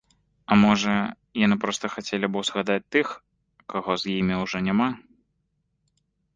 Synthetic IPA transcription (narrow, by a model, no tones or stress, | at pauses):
ɐmɔʐɐ | janɨpɾɔst̪ɐxat͡sʲelʲibɔwzɣad̪at͡sʲt̪ɨx | kaɣɔzjimʲiwʐɔnʲama